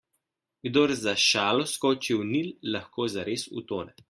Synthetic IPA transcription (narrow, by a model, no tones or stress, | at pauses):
ɡd̪oɾzaʃaːlɔskɔːt͡ʃiwnilːaxkoːzaɾeːsṵt̪oːnɛ